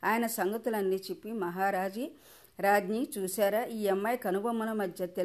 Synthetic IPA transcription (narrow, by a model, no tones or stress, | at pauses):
aːjɐnɐsɐŋɡɐt̪ulɐnːiːt͡ʃipːimɐɦaːɾaːd͡ʒi | ɾaːd͡ʒniːt͡ʃuːsaːɾaːʔiːemːɐjkɐnubɐmɐnɐmɐd̪ʱjɐt̪e